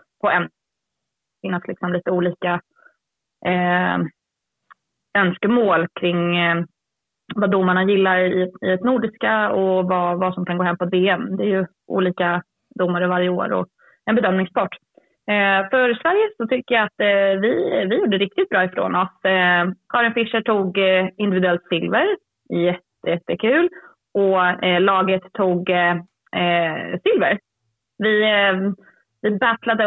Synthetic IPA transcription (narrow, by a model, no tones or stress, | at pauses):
pʰɔɛn | fɪnːaslɪksɔmliːt̪əuːliːka | œnskəmoːlkʰɾɪŋː | vad̪ʊmːaɳajɪlːaɾɪɪɛt̪nuːɖɪskaɔvavasɔmkʰanɡoːɦɛmːpɔt̪veːɛmd̪ɛæɾjɵ | ʔṵːliːka | d̪ʊmːaɾəvaɾjəoːɾɔ̰ | ɛnbɛd̪œmnɪŋspʰɑʈː | fœɾsvæɾjəsɔt̪ʰʏkːəjaat̪vɪvɪjuːɖəəɾɪk̚t̪ɪt̪̚bɾɑːɪfɾo̰ːnɔs | kʰɑːɾɪnfɪʂəʈʰuːɡɪnd̪ɪvɪd̪ɵɛlt̪sɪlvəɾ | ɛjɛt̪ːəjɛt̪ːəkʰʉ̟ːl | ʔɔlɑːɡət̪ʰːuːɡ | sɪlvə̰ɾ | vɪ | vɪbæt̪lad̪ə